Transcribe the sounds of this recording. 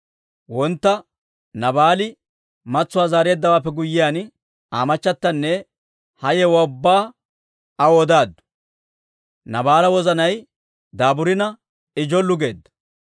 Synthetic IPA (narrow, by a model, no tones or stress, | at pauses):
wɔnt̪ːɐ | nɐbaːlɪ | mɐt͡sːʊwaːzaːɾe̞ːd̪ːɐwaːpːɛɡʊjːɪjaːn | a̰ːmɐt͡ʃːɐt̪ːɐnːɛ | hɐjɛwɔʊbːaː | ɐwɔd̪aːd̪ːʊ̥ | nɐbaːlɐwɔzɐnɐj | d̪aːbʊɾɪnɐ | ɪd͡ʒɔlːʊɡe̞̰ːd̪ːɐ̥